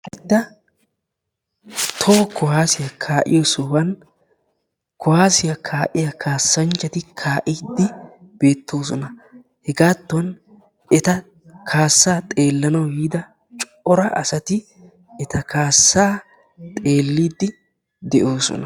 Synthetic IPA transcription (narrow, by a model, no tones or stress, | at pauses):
ʔɛd̪ːɐ | t̪ʰɔkʊhaːsɪjɐkʰaːʔɪ̰jɔsɔbɐn | kʊhaːsɪjɐkʰaːʔɪjɐkʰaːsːɐnt͡ʃːɐt̪ɪkʰaːʔiːd̪ːɪb̥e̞ːt̪ːo̞ːs̬ɔnɐ | hɛɡaːt̪ːn | ɛt̪ɐ | kʰaːsːaːt̪ʼe̞ːlːɐnɐwhiːd̪ɐ | t͡ʃʼ | ɔɾɐɐ̰sɐt̪ɪ | ɛt̪ɐkʰaːsːaː | t̪ʼe̞ːlːiːd̪ːɪ | d̪ɛʔo̞ːsɔ̰nɐ